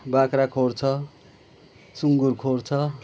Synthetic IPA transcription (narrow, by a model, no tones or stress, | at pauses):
bakɾakʰort͡sʰʌ | suŋɡurkʰort͡sʰʌ